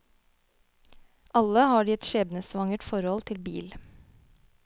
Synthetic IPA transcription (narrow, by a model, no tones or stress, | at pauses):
ʔɑləhɑːɖiːɛt̪ʃeːbnəsʋɑŋəʈfɔɾhɔlt̪ʰɪlbḭːl